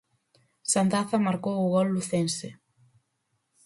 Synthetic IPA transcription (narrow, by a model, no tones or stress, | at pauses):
sand̪aθamaɾkowʊɣɔlːuθensɪ